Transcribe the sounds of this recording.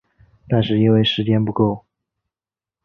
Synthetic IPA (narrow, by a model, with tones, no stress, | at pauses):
t̪a˥˧nʂɻ̩˥˩i˧˥nwe˥˩ɪʂɻ̩˧˥t͡ɕjɛ˥npu˧˥ko˥˩ʊ